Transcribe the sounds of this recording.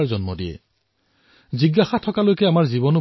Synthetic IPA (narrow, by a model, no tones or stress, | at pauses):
ɹzɔnmɔdiɛ̰ | ziɡːaxatʰɔkalojkɛamaɹziβɔnʊ